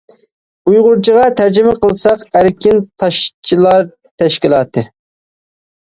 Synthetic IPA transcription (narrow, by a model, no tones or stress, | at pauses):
ujʁʊɾt͡ʃʰiʁɑt̪ʰæɾd͡ʒɪmɪqəlˠsɑqæɾkʲint̪ʰɑʃt͡ʃʰilˠɑɾ | t̪ʰɛʃkʲilˠɑːt̪ʰɨ